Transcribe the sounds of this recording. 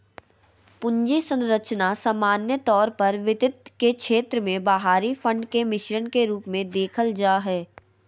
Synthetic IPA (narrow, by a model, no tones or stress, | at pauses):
pʊ̃ɲd͡ʒisə̃nɾət͡ʃnasamaːnjət̪ɔːɾpɐɾʋɪt̪ɪt̪kekʃʰeːt̪ɾəmẽbaɦaːɾifə̃ɳɖkemɪʃɾənkeɾuːpmẽd̪eːkʰəld͡ʒaːɦɛː